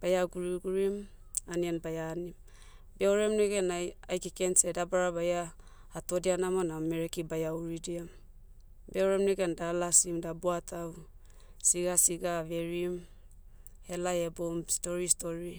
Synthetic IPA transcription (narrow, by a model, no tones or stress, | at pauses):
b̥ajaɡuɾiɡuɾim | anianbajanim | beoɾe̞mneɡe̞naajkikensedabaɾabajaː | to̞dianamonameɾekibajauɾidiam | beoɾe̞mneɡendalasimdabuatʰaw | siɡasiɡave̞ɾim | he̞lajebomsto̞ɾisto̞ɾi